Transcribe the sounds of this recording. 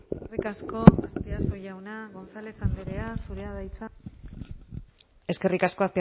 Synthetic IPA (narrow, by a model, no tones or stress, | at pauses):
erikasko̞ast̪easo̞ʝawnaɣonsalesamb̪eɾe̞asuɾe̞aðajt͡sa | e̞ske̞rikasko̞aspi